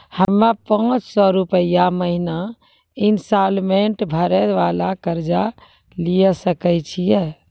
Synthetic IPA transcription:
həmːapãːt͡ʃsɔɾupəjaməɦina | insalmeɳʈbʱəɾɛʋalakəɾd͡ʒa | lijɛsəkɛt͡ʃʰijɛ

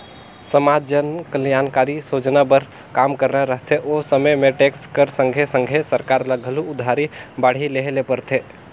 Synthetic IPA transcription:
səmad͡ʒənkəljankaɾisod͡ʒnabəɾ | kamkəɾnaɾəɦt̪ʰeʔosəməjmeʈekskəɾsəŋɡʱesəŋɡʱesəɾkaɾləɡʱəluud̪ʱːaɾibaɽ̤ileɦlepəɾt̪ʰe

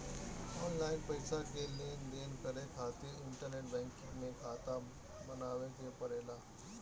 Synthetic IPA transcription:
ɔːnlaːɪnpɐɪsakeleːndeːnkəɾekʰaːt̪eɪɳʈəɾneːʈ̚bɛ̃ːŋkɪ̃ŋɡmẽkʰaːt̪a | bənaːʋekepɐɾeːlaː

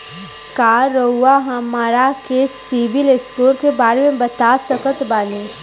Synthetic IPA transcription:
kaːɾəɦuaɦamaːɾakesiʋɪlɪskuːɾkebaːɾemẽbɐt̪asəkət̪baːneː

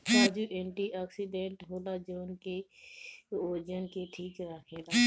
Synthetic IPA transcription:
paːd͡ʒuːʔẽːɳʈiʔaːksiɖẽːɳʈɦoːlaːd͡ʒoːnke | oːd͡ʒənkeʈʰiːkɾaːkʰeːla

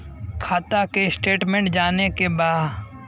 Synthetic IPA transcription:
kʰaːt̪akesʈeːʈmẽɳʈd͡ʒaːnekebaːd

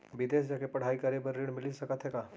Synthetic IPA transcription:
ʋɪd̪eːsd͡ʒakepɐɽ̤aːikəɾebəɾːiɽmɪlisəkət̪ɦɛkaː

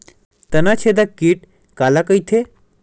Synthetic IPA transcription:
t̪ənat͡ɕʰed̪akiːʈ | kalakəjt̪ʰe

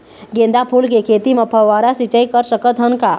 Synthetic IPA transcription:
ɡẽːnd̪apʰuːlkekʰeːt̪imɐpʰəʋaːɾasit͡ʃəikəɾsəkət̪ɦənka

